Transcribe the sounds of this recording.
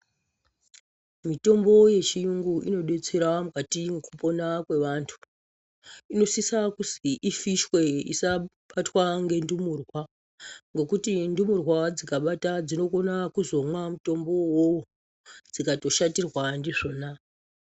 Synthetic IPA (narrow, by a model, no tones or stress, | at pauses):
mito̞mbo̞je̞t͡ʃijuŋɡuʔino̞ɗe̞t͡se̞ɾamukatimukupo̞nakwe̞ʋantʰu̥ | ino̞sisakusiʔifiʃwe̞ḭsaɓatwaŋɡe̞ndumuːrwa | ŋɡe̞kutindumurwad͡zikaɓatad͡zino̞ko̞nakuzo̞mwamuto̞mbo̞wowo | d͡zikato̞ʃatirwandiʐo̞ːna